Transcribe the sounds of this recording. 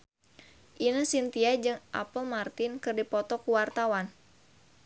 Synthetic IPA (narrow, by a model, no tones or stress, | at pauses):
ʔinəsint̪iad͡ʒɨŋʔa̰pəlmart̪ɪnkɨrdipɔt̪ɔkuwart̪awan